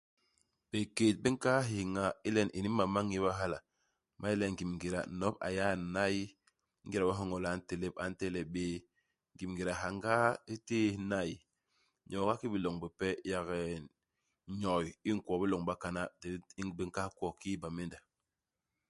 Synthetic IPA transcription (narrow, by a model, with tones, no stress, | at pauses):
b̥e˨keː˨t̚bi˦ŋ̩˦ka˦ɦi˨ŋa˨i˦lɛ˦˨nʔi˨ni˦ma˨ma˦ŋi˦ba˦ɦa˦la˨ | mʔa˦i˦lɛ˦ŋ̩˨ɡi˨mŋ˨ɡi˨ɾa̰˨˦nɔ˦pa̰˨ja˦na˦ji˦ | ŋ̩˦ɡi˦ɾa˨ba˦ɦɔ˦ŋɔ˨la˨˦˨n̩˦te˨le˦p̚a̰˨n̩˦tɛ˦lɛ˨ɓeː˦ | ŋ̩˨ɡi˨mŋɡi˨ɾa˨ɦa˨ŋ˦ɡa˦i˦te˦na˦˨ji˨ | ɲɔ˨ɡa˦ki˦bi˨lɔ˨ŋbi˨pɛ˦ja˨ɣɛ˨ | ɲɔ˨ji˦ŋ˨kɔ˨bi˦lɔ˨ŋba˦ka˦na˦dbi˦ŋ̩˦ka˦kɔ˦˨ki˦ba˨me˦nda˨